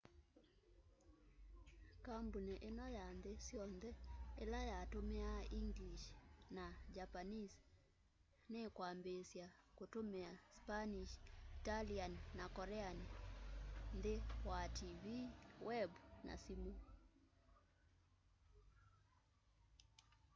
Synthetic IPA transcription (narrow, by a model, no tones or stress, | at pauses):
kambuneʔenɔjandesjɔnðɛelajatomeaiŋɡliʃnad͡ʒapanis | nekwambesjakotomeaspaniʃitalianːakɔɾɛani | ndewativiwɛbnʔa̰simu